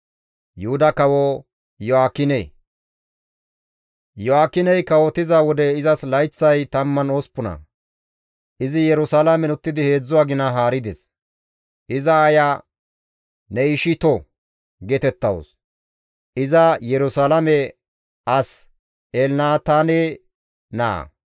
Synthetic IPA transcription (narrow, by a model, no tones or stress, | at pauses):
jʊhʊd̪ɐkɐwɔ | jɔaːkːɪnḛ | jɔaːkːɪnɛjkɐwɔt̪ɪzawɔd̪ɛɪzɐslɐjt͡sːɐjt̪ɐmːɐnoːspʊnɐ̰ | ʔɪzɪjɛɾʊsalɐmɛnʊt̪ːɪd̪ɪhe̞ːd͡zːʊwaːɡɪnɐɦaːɾɪd̪ɛ̰s | ʔɪzɐːja | nɛɪʃɪt̪ɔ | ɡɛt̪ɛt̪ːɐwɔ̰s | ʔɪzɐjɛɾʊsaːlɐmɛ | ɐs | elnaːt̪aːne | na̰ː